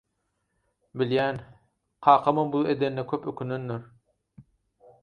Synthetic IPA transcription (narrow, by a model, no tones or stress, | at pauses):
biljæn | qʰɑːqʰɑmɯmbulˠed̪enːekʲʰøpøkʲʰynynːyɾ